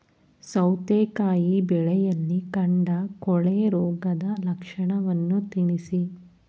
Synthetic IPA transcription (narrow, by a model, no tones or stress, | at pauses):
sɐwt̪eːkaːjibɛɭɛjɐlːikɐɳɖɐkɔɭeɾɔːɡɐd̪ɐlɐkʂɐɳɐʋɐnːut̪iɳisi